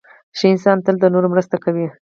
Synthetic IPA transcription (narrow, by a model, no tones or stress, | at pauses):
ʃiɪnsɑnt̪əld̪ənoɾomɾəst̪akawi